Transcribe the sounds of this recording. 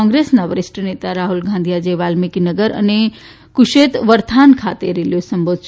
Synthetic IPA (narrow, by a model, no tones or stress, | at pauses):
ɔ̃ŋɡɾesnaʋəɾisʈənet̪aɾaɦulɡʱãnd̪ʱijad͡ʒeʋalmikinəɡəɾə̰ne | kuʃet̪ʋəɾt̪ʰankʰat̪eɾiljosəmbod̪ʱʰ